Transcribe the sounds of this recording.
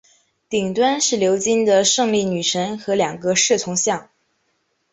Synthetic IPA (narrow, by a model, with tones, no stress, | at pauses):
t̪i˨˩ŋt̪wa˥nʂɻ̩˥˩ljo˧˥ʊt͡ɕi˥nd̪ə˨ʂɤ˥˧ŋli˥˩ny˨˩ʂə˧˥nxɤ˧˥ljɑ˨˩ŋɡə˧˦ʂɻ̩˥˩t͡sʰʊ˧˥ŋɕjɑ˥˩ŋ